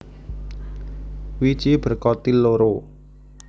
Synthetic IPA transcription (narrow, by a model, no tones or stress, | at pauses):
wit͡ʃib̥ə̤rkɔt̪iloɾo